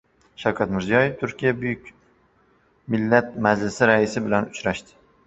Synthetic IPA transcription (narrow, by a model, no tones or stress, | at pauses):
ʃawkʰʲat̪mɪɾzijɒje̞ft̪ʰʊɾkʲʰijabʊjʊkʲ | mɪlːat̪̚mad͡ʒlɪsɪɾaɪsɪbɪlanʊt͡ʃɾaʃt̪ɪ̥